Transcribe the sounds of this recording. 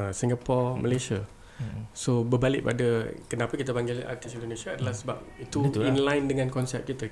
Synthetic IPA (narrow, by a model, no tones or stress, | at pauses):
siŋɡapɔrmʔəlesia | sobəbalɪʔ̚padakənapakit̪apaŋɡɪla̰rt̪isindonesiaːdəlahsəba̰p̚it̪uinlajndəŋãnkɔnsɛp̚kit̪a